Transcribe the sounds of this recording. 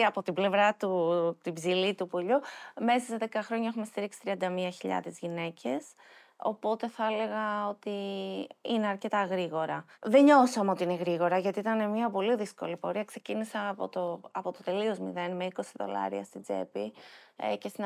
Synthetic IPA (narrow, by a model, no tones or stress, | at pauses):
ɐpo̞t̪ible̞vɾɐt̪ut̪ibzilit̪upoʎume̞sɐseðekɐxɾo̞ɲɐexume̞st̪iɾiksi̥t̪ɾiɐnd̪ɐmiɐçiʎɐ̰ðezʝine̞cʰe̞s | o̞̰po̞t̪e̞θɐele̞ɣɐo̞t̪i | ine̞ɐɾce̞t̪ɐɣɾiɣo̞ɾɐðe̞ɲo̞sɐmeo̞t̪iine̞ɣɾiɣo̞ɾɐʝɐt̪iit̪ɐne̞mɲɐpo̞liðisko̞̰lipo̞ɾiɐkse̞cinisɐpo̰t̪oɐpo̞t̪o̞t̪e̞lio̞zmḭðe̞nme̞iko̞siðo̞̰lɐ̰ɾiɐst̪id͡ze̞̰pi | ce̞st̪in